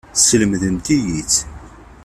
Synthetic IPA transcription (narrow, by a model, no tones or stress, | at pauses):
sələmðənt̪ijit͡sː